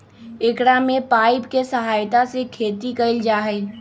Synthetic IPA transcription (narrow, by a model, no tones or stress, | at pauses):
ɪkɽamẽpaːɪbkesəɦaːjt̪asekʰeːt̪ikɐɪld͡ʒaːɦɛː